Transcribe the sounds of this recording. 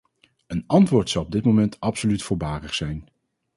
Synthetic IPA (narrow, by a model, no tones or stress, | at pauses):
ənɑntʋʊːɹtsɑwɔb̚dɪt̚mowmɛntʰɑpsolytfʊːɹbaːrəχsɛjn